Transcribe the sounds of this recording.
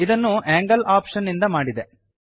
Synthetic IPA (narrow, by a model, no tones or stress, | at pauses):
id̪ɐnːuaːŋɡɐlaːpʂɐnːind̪ɐmaːɽid̪e